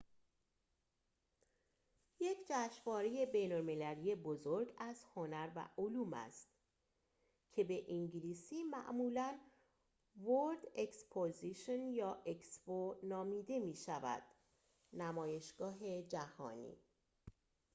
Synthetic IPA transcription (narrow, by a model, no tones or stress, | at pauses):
je̞cʰd͡ʒæːʃvɒːɾe̞je̞be̞jnolme̞lælije̞bozo̞ɾɡæzho̞næɾvæ̰ʔoluːmæ̰st̪ | cʰe̞be̞ʔiŋɟiliːsiːmæ̰ʔmuːlæn | voɾd̪e̞kspʰoziʃonjɒːʔe̞ksponɒːmiːd̪e̞miːʃævæ̰d̪̥ | næmɒːje̞ʃɡ̥ɒːɦe̞d͡ʒæhɒ̰ːnḭː